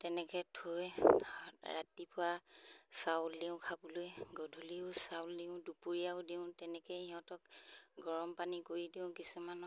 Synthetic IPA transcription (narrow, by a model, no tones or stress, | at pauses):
tɛnɛkɛtʰoj | ɹa̰tipʊwasawlːiʊ̃kʰabɔlojɡodʱuliʊsawlːiʊ̃dupuɹijaʊdiʊ̃tɛnɛkɛiɦɔ̃tɔkɡɔɹɔmpanikoɹidiʊ̃kisumanɔ